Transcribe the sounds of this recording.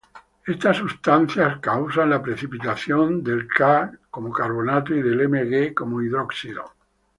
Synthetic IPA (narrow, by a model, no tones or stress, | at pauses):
e̞st̪asːust̪anθjaskawsanlapɾeθipit̪aθjond̪e̞lkako̞mokaɾβ̞onat̪oiðe̞lemeɣeko̞moiðɾoksiðo